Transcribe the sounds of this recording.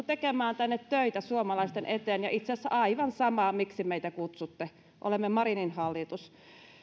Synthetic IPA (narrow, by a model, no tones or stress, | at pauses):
t̪ekemæːnt̪ænːet̪tøit̪æsuomɑlɑist̪enʔet̪eːnjɑ̰ʔit̪sesːæɑiʋɑnsɑmɑmiksimeit̪ækut̪sut̪ːe | ʔo̰lemːemɑrininhɑlːit̪us